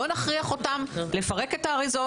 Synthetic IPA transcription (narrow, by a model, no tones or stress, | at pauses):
onaχʁiaχo̞tamle̞faʁe̞ke̞taːʁizo